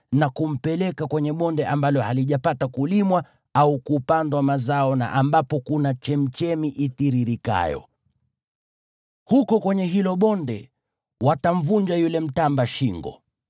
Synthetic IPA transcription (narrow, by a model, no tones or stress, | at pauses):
nakum̩pɛlɛkakwɛɲɛɓɔndɛʔambalɔhaliʄapatakulimwa | aukupandwamazaɔna̰ʔambapɔkunat͡ʃɛm̩t͡ʃɛmiʔitiɾiɾika̰jɔ̰ | hukɔkwɛɲɛɦilɔɓɔndɛ̰ | watam̩vuɲd͡ʒajulɛm̩tambaʃiŋɡɔ̰